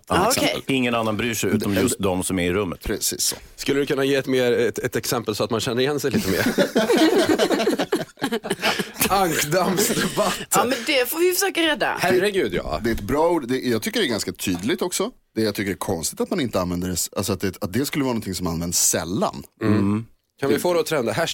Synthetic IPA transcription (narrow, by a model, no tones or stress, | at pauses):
sɛlɪŋːənanːanbɾyːʂɛjʉ̟ːɔmjjɵst̪̚d̪ɔmsɔmæɾɪɾɵmːət̪pʰɾɛsḭːsskɵlːəd̪ʉkɵnːajeːɛt̪meːɾɛɛt̪ɛksɛmpəlsɔat̪manɕɛnːəɾɪjɛnːsɛjliːt̪əmḛːɾ | aŋkd̪amsd̪ɛbat̪ːmɛnd̪ɛfovɪfəʂøːkaɾɛd̪ːa̰hæɾːəɡʉ̟ːd̪jɑ̰ːd̪ɛɛt̪bɾɑːuːɖ̪d̪ɛjɑɡt̪ʰʏkːəɖɛːɾɡanskat̪ʰyːd̪lɪɡ̚t̪ɔksɔ | d̪̥ɛjɑɡ̚t̪ʏkːəɖɛækʰɔnst̪ɪ̥t̪at̪manɪnt̪əanvɛnd̪əɾɛsa̰lsɔat̪̚d̪ɛat̪̚d̪ɛskɵlːəvɑːnɔnt̪ʰɪŋsɔmanvɛnd̪ssɛ̰lːa̰n | kʰanvɪfoːd̪ɛɔt̪ʰɾɛnd̪aɦæ